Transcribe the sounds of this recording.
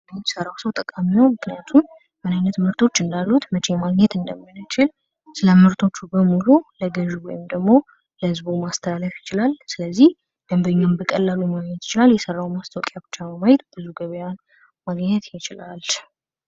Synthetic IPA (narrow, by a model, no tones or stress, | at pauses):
səɾawsəwt̪ʼəkʼamiwomɨknijat̪ʰum | mɨnajnət̪mɨɾt̪ʰo̞t͡ʃːɨnd̪alːut̪mət͡ʃemaɡɲɛt̪ɨnd̪əmːinɨt͡ʃɪl | sɨləmɨɾt̪ʰo̞t͡ʃːubəmululəɡəʒwɔjɪmd̪əɡmo̞ | ləhɨzbumast̪ʰəlaləfjɪt͡ʃɪlalsɨləzːih | ɡ̥əmbəɲːambəkʼəlːalumaɡɲɛt̪jɪ̥t͡ʃɪlaljɛsərːawmast̪ʰəwkʼjabɨt͡ʃːaəmajɛt̪b̥ɨzuɡəβəjan | maɡɲɛt̪jɪt͡ʃɪlal